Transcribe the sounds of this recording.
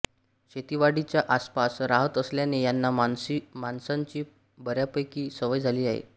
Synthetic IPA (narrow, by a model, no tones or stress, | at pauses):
ɕet̪iʋaɽit͡ɕjaʔaspasɾaɦət̪əsljanejanːaimansaɲt͡ɕiː | bəɾjapəjkiːsəʋəjd͡zʱaliːaɦḛ